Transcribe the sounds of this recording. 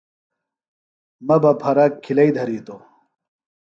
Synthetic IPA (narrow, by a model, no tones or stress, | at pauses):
mɐbɐpʰɐɾɐkʰːilɐid̪ʱɐɾit̪o